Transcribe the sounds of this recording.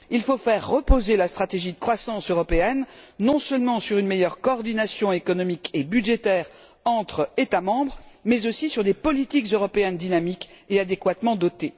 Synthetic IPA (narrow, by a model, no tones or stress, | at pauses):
ilfofɛʁːəpozelast̪χat̪eʒid̪əkχwasɑ̃søʁɔpeɛnːɔ̃sœlmɑ̃syʁynmejœʁkɔːʁd̪inasjɔ̃ekɔnɔmikebyd̪ʒet̪ɛʁ | ɑ̃t̪χet̪amɑ̃bʁmɛzosisyʁd̪epɔlit̪ikzøʁɔpeɛnd̪inamik | ead̪ekwat̪mɑ̃d̪ɔt̪e